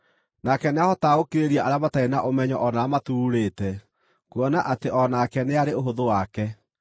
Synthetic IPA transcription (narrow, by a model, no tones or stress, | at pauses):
nakɛneahɔtaokeɾeɾiaʔaɾjamataenaʔomɛɲɔʔɔnaːmatuːɾeːtɛ | kuɔnaʔateʔɔnaːkɛneaɾeoɦoðowakɛ